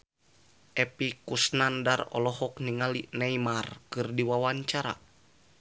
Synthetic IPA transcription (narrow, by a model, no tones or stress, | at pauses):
ʔɛpikusnandarɔ̰lɔɦɔk̚niŋalinɛjmarkɨrdiwawaɲt͡ʃaɾa̰